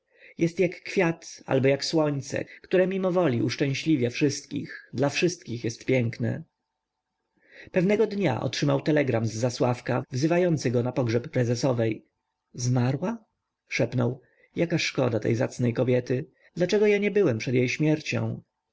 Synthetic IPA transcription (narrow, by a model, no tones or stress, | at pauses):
jɛst̪jakːfʲjat̪a̰lbɔjakswɔɲt̪sɛ̰kt̪uɾɛmʲimɔvɔlʲiuʂt͡ʂɛ̃w̃ɕlʲivʲjɛfʂɘst̪̚kʲḭxd̪lafʂɘst̪̚kʲixjɛst̪pʲjɛŋknɛ̰ | pɛvnɛɡɔd̪ɲa̰ʔɔ̰tʂɘmawt̪ɛlɛɡɾamzːaswafkavzɘvajɔnt̪sɘɡɔnapɔɡʐɛpːɾɛzɛsɔvɛj | zmaɾwa | ʂɛpnɔw | jakaʂkɔ̰d̪at̪ɛ̰jza̰t̪snɛjkɔbʲjɛt̪ɘ | d̪lat͡ʂɛɡɔjaɲɛbɘwɛmpʂɛd̪jejɕmʲjɛɾt͡ɕɔ̰̃w̃